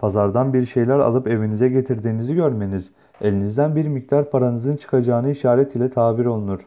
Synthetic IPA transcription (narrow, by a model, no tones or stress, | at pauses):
pʰazaɾd̪anbiɾʃe̞jlʲæɾa̰lˠɯpe̞vinizɛɟe̞t̪ʰiɾd̪iːniziɟøɾme̞niz̥ | e̞lʲinizd̪ænbiɾmic̚d̪aɾpʰaɾanɯzɯnt͡ʃʰɯ̥kʰad͡ʒaːnɯiʃaːɾɛt̪ʰilʲɛt̪ʰaːbiɾo̞lˠunuɾ̥